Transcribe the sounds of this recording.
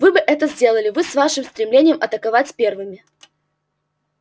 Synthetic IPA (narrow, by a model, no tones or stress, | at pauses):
vɨbɨʔɛt̪əzʲdʲe̞lˠəlʲɪvɨsvaʂɨmst̪ɾʲɪmlʲenʲɪjəmʔɐt̪əkɐvatʲsʲpʲervɨmʲɪ